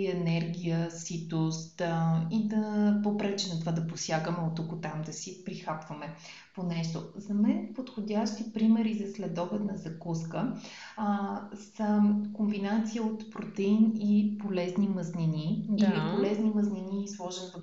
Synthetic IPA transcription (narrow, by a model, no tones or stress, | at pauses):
ɛnɛɾɡʲijəsit̪ʊst̪id̪ɐpopɾɛt͡ʃɛnɛt̪ovad̪ɐposjaɡəmɛot̪okʊt̪amd̪ɐsipɾixapvɐmɛ | ponɛʃt̪ozɐmɛnpot̪xodʲaʃt̪ipɾimɛɾizɐslɛd̪ɔbɛt̪nɐzɐkuskə | səkombinat̪sijəot̪pɾot̪ɛinipolɛzniməzninid̪ilippolɛzniməznʲiniːslˠɔʒɛnvɐ